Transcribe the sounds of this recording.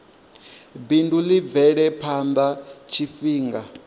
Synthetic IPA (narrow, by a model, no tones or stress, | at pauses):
bindulivɛɺɛpʰand̪at͡ʃʰifiːŋɡa